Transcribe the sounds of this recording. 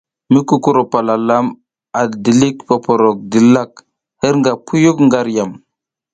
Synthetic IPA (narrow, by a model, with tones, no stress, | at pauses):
mi˦ku˦ku˦ɾo˨pa˨la˨la˦m | a˨di˨li˦kpo˨po˨ɾo˨k̚di˨la˦˨k̚ | hə˦ɾŋɡa˨pʰu˦ju˦kŋɡa˦ɾja˨m